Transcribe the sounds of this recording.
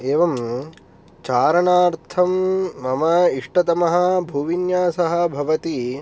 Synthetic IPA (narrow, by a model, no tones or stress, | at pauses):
eːʋɐm | t͡ʃaːɾɐɳaːɾt̪ʰɐmːɐmɐiʂʈɐt̪ɐmɐɦɐ̆bʱuːʋinjaːsɐɦɐ̆bʱɐʋɐt̪i